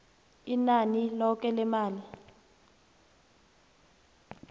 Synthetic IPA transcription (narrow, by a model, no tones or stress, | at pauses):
inanilɔkɛlɛmaːli